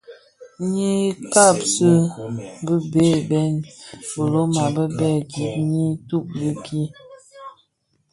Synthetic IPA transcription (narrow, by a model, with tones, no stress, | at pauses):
ɲi˦ka˦˨psə˦bə˦be˦˨bɛ˦nbə˨lo˦ma˨bə˦bɛ˦˨d͡ʒi˨˦t̚ɲi˦tu˦˨p̚li˦ki˦